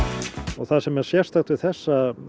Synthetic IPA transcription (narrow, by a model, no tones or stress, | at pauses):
ɔɣθaðsɛmɛɾ̥sjɛr̥st̪axt̪vɪlθɛsːa